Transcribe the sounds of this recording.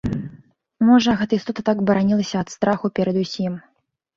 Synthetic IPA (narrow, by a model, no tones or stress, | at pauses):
mɔʐɐɣɛt̪ɐist̪ɔt̪ɐt̪aɡbɐɾanʲilˠɐsʲɐɐt̪st̪ɾaxupʲɛɾɐd̪usʲim